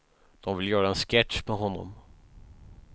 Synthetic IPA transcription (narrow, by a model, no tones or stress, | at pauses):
d̪̥ɔmvɪljœːɾaɛnskɛtʂpʰɛɦɔnːɔ̰m